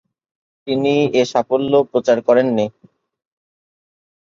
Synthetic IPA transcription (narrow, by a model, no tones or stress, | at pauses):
t̪inieʃafolːopɾot͡ɕaɾkɔɾenːi